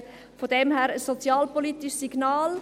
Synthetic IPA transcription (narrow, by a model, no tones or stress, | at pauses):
fod̥ɛmɦæːɾəsːot͡sjɑːlpolit̪iʃsiɡ̥nɑːl